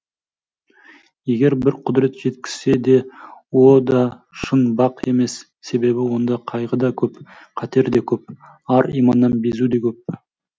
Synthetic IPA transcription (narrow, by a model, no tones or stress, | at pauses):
je̞ɡʲe̞ɾbɪɾqʰʊd̪ɾe̞t̪ʒ̥e̞t̪kʲɪ̥z̥se̞d̪e̞wod̪ɑʃənbɑqe̞̰me̞sːe̞be̞bɪwo̞nd̪ɑqʰɑjʁəd̪ɑkʲʰɵp | qʰɑt̪e̞ɾd̪e̞kʲʰɵp̚ | ɑɾḭmɑnːɑnbe̞zud̪e̞kʲʰɵp̚